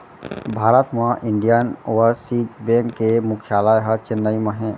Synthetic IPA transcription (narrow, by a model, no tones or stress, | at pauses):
bʱaːɾət̪mãʔɪ̃ɳɖijənoʋəɾsiːʈbẽŋkːemʊkʰjaːlajɦət͡ʃɪnːəiməɦẽ